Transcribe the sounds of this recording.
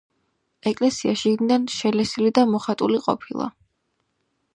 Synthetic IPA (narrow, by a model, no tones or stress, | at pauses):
ɛkʼlɛsiaʃiɡnid̪anʃɛlɛsilid̪amɔχat̪ʼuliqʼɔ̰pʰilˠa̰